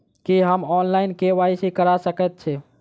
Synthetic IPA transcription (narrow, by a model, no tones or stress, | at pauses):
kiɦəmɔnlaɪnkeʋaisikəɾasəkɛt̪̚t͡ʃʰɛ